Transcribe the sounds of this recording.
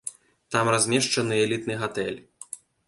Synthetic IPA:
t̪amrazʲmʲɛʂt͡ʂɐnɨɛlʲit̪nɨɣat̪ɛ̰lʲ

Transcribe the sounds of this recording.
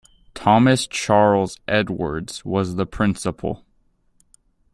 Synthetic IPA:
tʰɑmɨst͡ʃʰɑɹl̩ˠzʔɛdwə̰˞dz̥wʌzðəpʰɹ̥ɪ̃nsəpʰl̩ˠ

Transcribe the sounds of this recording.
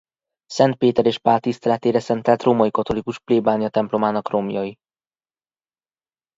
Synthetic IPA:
sɛnt̪̚peːt̪ɛɾeːʃpaːlt̪ːist̪ɛlɛt̪eːɾɛsɛnt̪ɛlt̪roːmɒjikɒt̪o̞likuʃpleːbaːnijɒt̪ɛmplo̞maːnɒkro̞mjɒji

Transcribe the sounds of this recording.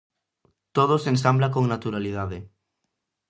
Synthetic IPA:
t̪oð̞osensamblakoŋnat̪uɾalið̞aðe

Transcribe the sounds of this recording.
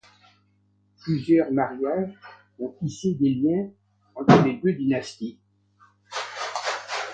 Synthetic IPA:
plyzjœʁmaʁjaʒ | ɔ̃t̪ised̪eljɛ̃ | ɑ̃t̪χəled̪ød̪inast̪i

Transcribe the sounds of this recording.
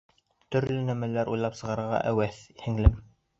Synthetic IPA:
t̪ɵ̆ɾlɵnæmælæɾʔujlˠɑpsɤ̆ʁɑɾɤ̆ɾʁɑ̰ʔæwæθhɘ̆ŋlɘm

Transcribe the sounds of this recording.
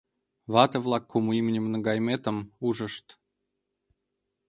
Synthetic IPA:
βɑt̪ɤ̆vlˠɑkːumuimnʲəmnə̆ɡɑjmet̪ə̆muʒə̆ʃt̪

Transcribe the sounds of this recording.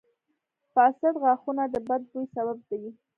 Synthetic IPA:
fɑsad̪ɣɑxunad̪əbad̪̚b̪ujsaβab̚d̪awi

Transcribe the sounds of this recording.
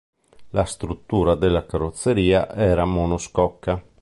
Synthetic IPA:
last̪ɾut̪ːuːɾad̪elːakaɾot̪sːeɾiːaʔɛːɾamonoskɔkːa

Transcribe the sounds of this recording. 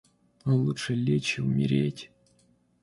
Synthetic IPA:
olˠuʂɨlʲet͡ɕɪʊmʲɪ̰ɾʲetʲ

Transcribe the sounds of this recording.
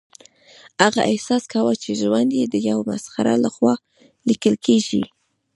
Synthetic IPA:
haɣaʔɪhsɑskawət͡ʃeʒwand̪jed̪əjawma̰sxaɾa̰laxwɑ | likəlkʰeʒḭ

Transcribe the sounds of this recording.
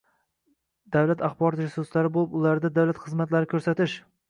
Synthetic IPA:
d̪̥awlat̪ʰaχbɒɾt̪ʒʊsʊslaɾɪbolˠɪpʊlaɾd̪ad̪awlat̪χɨzmat̪laɾɪkʰʲɵɾsat̪ɪʃ

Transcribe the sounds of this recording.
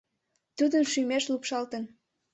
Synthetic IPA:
t̪ud̪ənʃymeʃlupʃɑlt̪ən

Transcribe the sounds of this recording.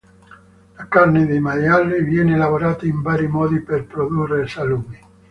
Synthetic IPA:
lakarned̪ejmajalːivjɛnelavoɾaːt̪aiɱbaːɾimɔːd̪iperpɾod̪urːesalumi

